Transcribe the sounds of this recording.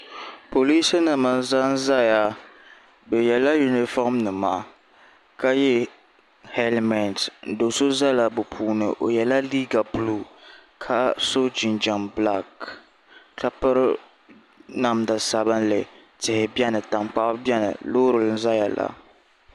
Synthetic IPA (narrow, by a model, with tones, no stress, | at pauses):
po˨liː˦sɨ˦nɨ˨ma˨n˦za˦n̩˦za˦ja˨ | bɛ˨jɛ˨la˦ju˨ni˨fɔ˦mnɨ˨maː˨ | ka˦jɛ˦ | hɛ˦lmɛ˨ntn̩˨do˨so˦za˦la˨bʊ˨pʰuː˨˦nɨ̰˨ʔo̰˨jɛ˨la˦liː˦ɡa˨pu˦lu˦ | kʰa˨so˦d͡ʒi˨nd͡ʒɔ˨nbla˦k | ka˨pɨ˦ɾ | na˨mda˨sa˨bɨ˦nlɨ˨ | tɪ˨hɪ˨bɛ˦nɨ˨ta˨mk͡pa˦ʔbjɛ˦nɨ̰˨loː˦ɾɨ˨lɨ˦n̩˦za˦ja˨la̰˨